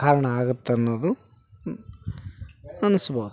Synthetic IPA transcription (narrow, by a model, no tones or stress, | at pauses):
aːɾɐɳɐaːɡut̪ːɐnːoːd̪u | ɐnusɐbɐd̪